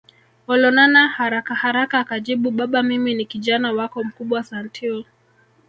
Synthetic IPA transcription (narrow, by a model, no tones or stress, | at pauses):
ɔlɔnanahaɾakahaɾakaːkad͡ʒiɓuɓaɓamiminikiʄanawakɔm̩kuɓwasantʰiɔ